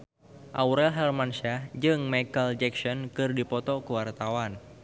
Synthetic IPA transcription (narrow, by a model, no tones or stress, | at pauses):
ʔawɾɛlɦɛrmanʃad͡ʒɨŋmakəld͡ʒɛksɔnkɨrdipɔt̪ɔkəwart̪awan